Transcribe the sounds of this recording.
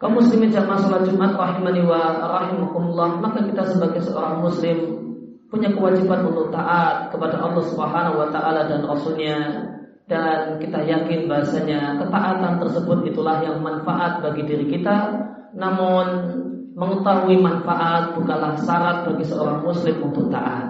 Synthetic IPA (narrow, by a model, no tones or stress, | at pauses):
kamuslimɪnd͡ʒamasɔlat̪d͡ʒumʔat̪rɑɦimaniwaɾɑɦimakumulˠːɑhmakakit̪asəbaɡajsəo̰ɾaŋmuslɪm | puɲakəwad͡ʒibanʔunt̪ʊk̚t̪aʔat̪̚kəpadaʔɑlːɑhsubəɦanaɦuwat̪aʔaladanrɑsʊlɲa | d̥ankit̪ajakɪnbaɦasaɲakət̪aʔat̪ant̪ərsəbʊt̪it̪ulahjaŋmanfa̰ʔat̪̚baɡidiɾikit̪a | namʊn | məŋət̪auimanfaʔat̪̚bukanlahsaɾat̪̚baɡisəoɾaŋmuslɪmunt̪ʊk̚t̪a̰ʔat̪̚